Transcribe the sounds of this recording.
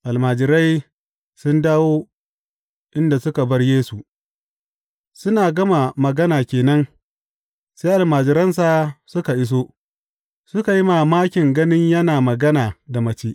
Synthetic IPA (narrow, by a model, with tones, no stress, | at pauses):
ʔa˨lmaː˨d͡ʒɪ˨ɾa˦j | sʊ˦ndaː˦woː˦ | ʔɪ˦nda˨sʊ˦ka˨bɐ˦rjeː˦su˨ | sʊ˦naː˨ɡɐ˦ma˨mɐ˨ɡɐ˦naː˨kʲeː˨nɐ˦n | seː˦ʔa˨lmaː˨d͡ʒɪ˨ɾɐ˦ns̬a˨sʊ˦ka˨ʔɪ˦s̬oː˦ | sʊ˦ka˨ji˦ma˨maː˦kʲɪ˨ŋɡɐ˦nɪ˦ɲjɐ˦naː˨mɐ˨ɡɐ˦naː˨da˨mɐ˦t͡ʃeː˦ʔ